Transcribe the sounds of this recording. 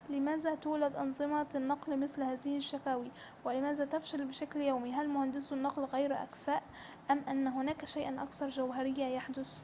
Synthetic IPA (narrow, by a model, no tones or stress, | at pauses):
lɪmaːzat̪uːlad̪ʔɑ̰nzˤɨmɑnːɑqlmɪθlhaːzɪhɪʃːakaːwiwɪlɪmaːzat̪afʃalbɪʃakljaːmiɦalmʊhand̪ɪsnːɑqlɣajɾʔa̰kfaːʔ | ʔamːʔanːɦʊnaːkʃajʔanʔɑkθɑɾˤʒawɦaɾɪjːajaħd̪ʊs